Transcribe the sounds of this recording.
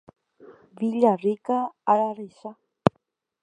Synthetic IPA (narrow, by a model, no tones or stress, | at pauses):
βiʎarikaːɾarisa